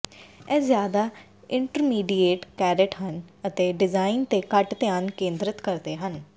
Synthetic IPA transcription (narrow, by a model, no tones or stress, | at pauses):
ɛːzjaːd̪aː | ɪɳʈəɾmiːɖiːeːʈkɛːɾɪʈɦənət̪eːɖɪzaːɪnt̪eːkəʈt̪eaːnkẽːnd̪ɾət̪kəɾd̪eːɦən